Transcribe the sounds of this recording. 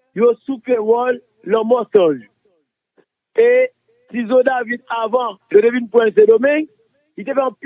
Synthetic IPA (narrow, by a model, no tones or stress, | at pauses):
josupɛwɔlː | ɔmɔsɔ̃ʒ | e | sizod̪avid̪̚avɑ̃jod̪evinpwɛ̃s̬ed̪omɛ̃ŋ | it̪efɛɑ̃p